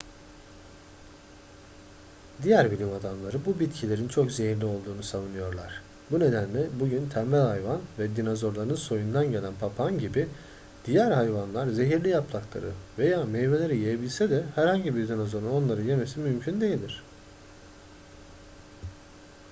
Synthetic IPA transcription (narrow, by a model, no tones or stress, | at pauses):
d̪ijæɾbilʲimad̪amlˠaɾɯbubit̪cʰilʲe̞ɾint͡ʃʰo̞kze̞ɦiɾlʲio̞lˠd̪uːnusavunɯjo̞ɾlˠaɾ̥ | bune̞d̪ænlʲɛbuɟynt̪ʰæɾmælʲhajvanvɛd̪inazo̞ɾlˠaɾɯɯnso̞jund̪anɟe̞lʲænpʰapʰanɟibi | d̪̥ijæɾhajvanlˠaɾze̞ɦiɾlʲijaplˠaklˠa̰ɾɯ̰ve̞jaːmejve̞lʲe̞ɾijejebilʲsɛd̪ɛhæɾhaɲɟibiɾd̪inazo̞ɾuno̞nlˠaɾɯjeme̞simymcʰynd̪e̞jilʲd̪ʲiɾ̝̥